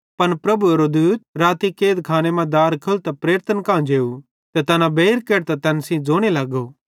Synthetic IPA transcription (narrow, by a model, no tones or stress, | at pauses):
pɐnpɾɐbueɾod̪uːt̪̚ɾaːt̪ikeːd̪kʰaːñemãd̪aːɾkʰɐlt̪apɾeːɾt̪ʰənkãːd͡ʒeːu | t̪et̪ɐnãbeːɾkeːɾt̪at̪ɛnsĩd͡zoːɽ̃elaːɡo